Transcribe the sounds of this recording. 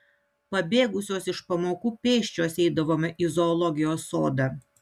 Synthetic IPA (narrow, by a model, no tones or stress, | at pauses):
pɐbʲeːɡʊsʲoːsɪʃpɐmoːkuːpʲeːʃʲt͡ʃʲoːsɛɪd̪ɐʋoːmʲɛʔɪzɔːlˠɔɡʲɪjoːsːoːd̪ɐ